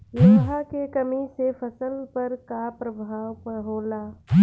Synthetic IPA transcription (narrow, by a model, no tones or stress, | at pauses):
noɦakekəmisepʰəsəlpəɾkapɾəbʱaːwpəɦoːlaː